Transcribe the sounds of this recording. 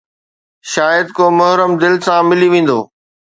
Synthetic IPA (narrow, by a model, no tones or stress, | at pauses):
ʃaːjəd̪̚koːmʊɦɾəmd̪ɪlsãmɪliʋẽːn̆d̪oː